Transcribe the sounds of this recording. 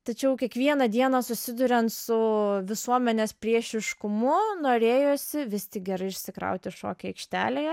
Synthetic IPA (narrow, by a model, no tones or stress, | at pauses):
t̪ɐt͡ʃʲɛʊkʲiɛkʋʲiɛnɐd̪ʲiɛnɐsʊsʲɪd̪ʊɾʲɛnt̪sʊʋʲɪsuɔmʲɛnʲeːspʲɾʲiɛʃʲɪʃkʊmʊnoːɾʲeːjoːsʲɪʋʲɪst̪ʲɪk̚ɡʲɛɾɐɪɪʃʲsʲɪkɾɐ̰ʊt̪ʲɪʃo̰ːkʲɛɐɪkʃʲt̪ʲæ̰ːlʲe